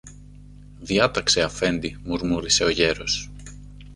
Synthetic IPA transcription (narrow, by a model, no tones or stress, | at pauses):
ðiɐt̪ɐkse̞ɐfe̞nd̪imuɾmuɾise̞o̞ʝe̞ɾo̞s